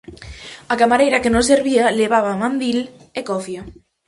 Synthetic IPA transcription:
akamaɾejɾakenos̬eɾβialeβ̞aβ̞amãnd̪il | ekoθja

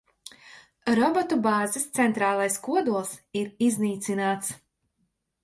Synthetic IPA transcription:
ɾɔbɔt̪ubaːzist̪sɛnt̪ɾaːlˠajskuɔd̪uɔlˠsiɾizniːt̪sinaːt̪s

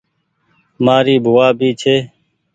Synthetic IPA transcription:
maːɾiːbʱʊaːbʱiːt͡ʃʰeː

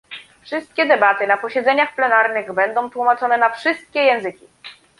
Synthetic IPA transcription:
fʂɘst̪̚kʲɛd̪ɛbat̪ɘnapɔɕɛd̪zɛɲaxplɛnaɾnɘɣbɛnd̪ɔ̃w̃t̪wumat͡ʂɔnɛnafʂɘst̪̚kʲɛjɛ̃w̃zɘkʲi

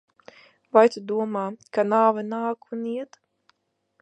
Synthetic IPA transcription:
vajt̪ud̪uɔmaːkanaːvɛnaːkuniɛt̪

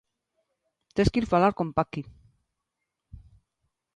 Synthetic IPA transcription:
t̪eskiɾfalaɾko̞mpaki

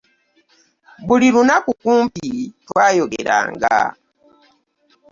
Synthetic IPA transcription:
bulilunakukuːmpitwaːjokḛɾa̰ːŋɡaa̰

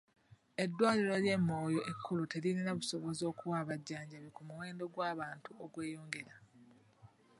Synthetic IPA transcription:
e̞dːwaːliloɾje̞mːo̞ːjo̞ʔekʰːulute̞liniɾaβuso̞βo̞zo̞ːkuwaːβaɟːaːɲɟaβikumuwe̞ːndo̞ɡwaːβaːntuoɡwe̞ːjo̞ːŋɡe̞ɾa

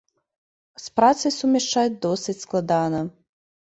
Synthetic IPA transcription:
spɾat̪sɨjsumʲɛʂt͡ʂajʲd̪ɔsʲɨt͡sʲsklˠad̪anɐ

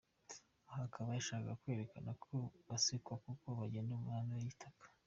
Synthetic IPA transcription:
ahakʰaβajaʃaːkakakwe̞ːɾekanakʰoβasikwakukoβaɟendumŋaːndajitʰakḁ

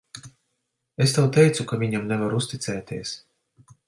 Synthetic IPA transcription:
est̪awt̪ɛjt̪sukavʲiɲamnɛvaɾust̪it̪sɛːt̪ʲiɛs

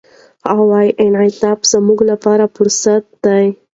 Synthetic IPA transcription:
awɑjʔɪnʕɪt̪ɑbz̥amuɡlapɑɾafʊɾsat̪̚d̪aj

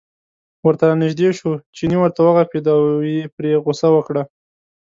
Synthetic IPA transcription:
wəɾt̪aɾnɪʒd̪eʃut͡ʃiniwəɾt̪awaɣaped̪ɑwepɾeɣʊsawəkɽa

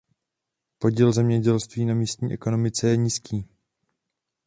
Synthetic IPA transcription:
po̞ɟilzɛmɲɛɟɛlst̪viːnamiːst̪ɲḭːʔɛko̞no̞mɪt͡sɛjɛɲiːskʰiː

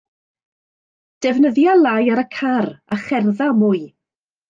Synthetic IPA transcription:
d̥ɛvnəðjalˠajaɾəkʰaraχɛrðamʊːɨ

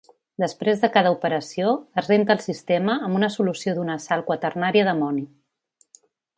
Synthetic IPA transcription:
d̪əspɾezðəkað̞əupəɾəsioəzrent̪əːlˠsist̪eməːmbunəsulusioðunəsalˠkwət̪ərnaɾiəðəmɔni

